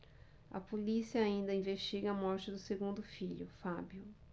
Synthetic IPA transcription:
ɐ̰polisiɐaĩnd̪ɐĩveʃt͡ʃiɡɐɐmɔɾt͡ʃɪd̪ʊseɡũnd̪ʊfiʎʊfabjʊ

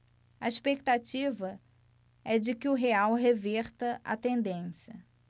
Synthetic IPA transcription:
ɐiʃpek̚t̪at͡ʃivɐ | ɛd͡ʒɪkɪʊɦeawɦeveɾt̪ɐʔɐ̰t̪ẽnd̪ẽsjɐ

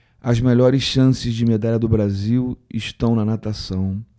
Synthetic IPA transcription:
ɐzmeʎɔɾɪsʃɐ̃sɪzd͡ʒɪmed̪aʎɐd̪ʊbɾaziwɪ̰ʃt̪ɐ̃w̃nɐnat̪asɐ̃w̃

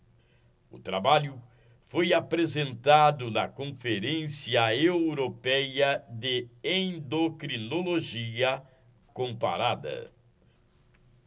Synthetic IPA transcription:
ʊ̰t̪ɾa̰baʎʊ | fojapɾezẽnt̪ad̪ʊnɐkõfeɾẽsiɐewɾopɛjɐd̪ɪẽd̪okɾinoloʒiɐ | kõpa̰ɾad̪ɐ̰

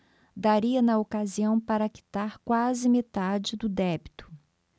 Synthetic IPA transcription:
d̪aɾiɐnɐokaziɐ̃w̃paɾɐaki̥t̪aɾkwazɪmet̪ad͡ʒɪd̪ʊd̪ɛbit̪ʊ̥

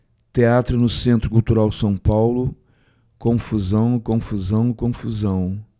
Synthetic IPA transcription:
t̪eat̪ɾʊnʊsẽnt̪ɾʊkult̪uɾawsɐ̃w̃pawlʊ | kõfuzɐ̃w̃kõfuzɐ̃w̃kõfuzɐ̃w̃

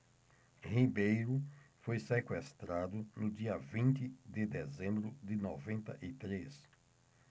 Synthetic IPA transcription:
hibejɾʊfojsekwest̪ɾad̪ʊnʊd͡ʒiɐvĩnt̪ɪd̪ɪd̪ezẽmbɾʊd̪ɪnɔvẽnt̪ɐʔɪt̪ɾes

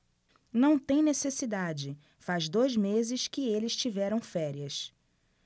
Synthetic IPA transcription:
nɐ̃w̃t̪ẽj̃nesesid̪ad͡ʒɪ | fazd̪ojzmezɪskɪelɪst͡ʃivɛɾɐ̃w̃fɛɾiɐs

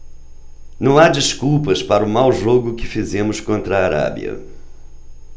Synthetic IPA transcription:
nɐ̃w̃ad͡ʒiskupɐspaɾʊmawʒoɡʊkɪfizẽmʊskõnt̪ɾɐaːɾa̰bḭɐ̰

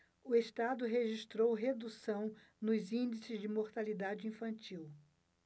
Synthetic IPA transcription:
ʊest̪ad̪ʊɦeʒist̪ɾowɦed̪usɐ̃w̃ | nʊzĩd͡ʒisɪzd͡ʒɪmoɾt̪alid̪ad͡ʒɪĩfɐ̃nt͡ʃiw

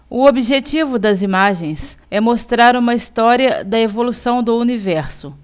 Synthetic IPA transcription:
ʊobiʒet͡ʃivʊd̪ɐzimaʒẽj̃sɛmost̪ɾaɾũmɐist̪ɔɾiɐd̪ɐevolusɐ̃w̃d̪ʊunivɛɾsʊ

